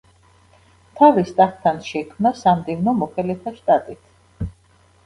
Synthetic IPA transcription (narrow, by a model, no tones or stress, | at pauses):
t̪ʰavist̪ʼatt̪ʰːanʃɛkʰmnasamd̪ivnɔmɔχɛlɛt̪ʰaʃt̪ʼat̪ʼit̪ʰ